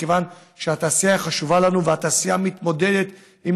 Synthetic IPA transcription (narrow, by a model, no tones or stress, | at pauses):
kevan | ʃeat̪aːsiaχaʃuvalanuveat̪aːsijamit̪mo̞d̪e̞d̪et̪ | im